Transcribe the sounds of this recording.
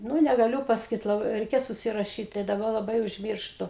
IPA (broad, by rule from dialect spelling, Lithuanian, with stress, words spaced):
ˈnuː nʲɛɡɐˈlʲʊ pɐsɐˈkʲiːt lˠɐˈbɐɪ rʲɛɪˈkʲeːs ʊʃʲsʲɪrɐˈʃʲiːt tɐɪ dɐˈbɐ lˠɐˈbɐɪ ʊʒʲˈmʲiːrʃtʊ